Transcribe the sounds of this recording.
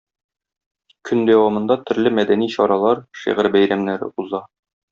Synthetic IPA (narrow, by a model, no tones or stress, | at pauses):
kʰɵnd̪æwɑmɤ̆nd̪ɑt̪ʰɵ̆ɾlɘmæd̪æniɕɒɾɑlˠɑɾʃḭʁɘɾbæjɾæmnæɾɘ̰uzɑ